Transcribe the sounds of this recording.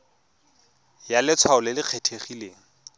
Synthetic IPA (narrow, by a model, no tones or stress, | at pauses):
jalɪt͡sʰwaʊlɪlɪq͡χʰetʰeχileːŋ̩